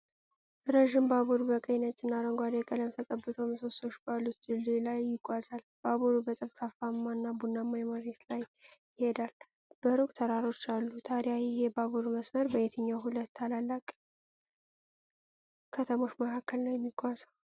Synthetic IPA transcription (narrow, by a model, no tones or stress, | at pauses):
ɾəʒɪmbaβuɾubəkʼəjnət͡ʃʼːɨnːaɾəŋɡʷad̪ɛkʼələmt̪ʰəkʼəbːɨt̪ʰomsost̪o̞ʃbalut̪d̪ɨlːilajːɪɡʷazalb̥aβuɾubət̪ʼəft̪ʰafamːanːabunːamːajɛmaɾet̪laj | ɪhe̞d̪al | b̥əɾukʼt̪ʰəɾaɾo̞t͡ʃːalːut̪ʰaɾjajɪhebaβuɾuməsməɾbəet̪ʰəɲːawɦulət̪ːalalːakʼ | kʰət̪ʰəmo̞t͡ʃːməkʰakːəlnawjɛmːiɡʷazaw